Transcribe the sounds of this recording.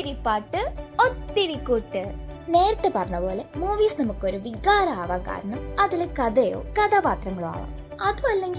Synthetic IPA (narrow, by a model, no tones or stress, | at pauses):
iɾipːaːʈːɨot̪ːiɾikːuːʈːɨne̞ːɾɐt̪ːe̞pɐrɐɲːɐpo̞ːle̞moːʋiːsnɐmukːo̞ɾuʋiɣaːɾɐːʋɐkːa̰ːɾɐɳɐmɐðilekɐðejo̰ːkɐðɐpaːt̪rɐŋːɐɭoa̰ːʋa̰m | ɐðuɐlːe̞ŋɡi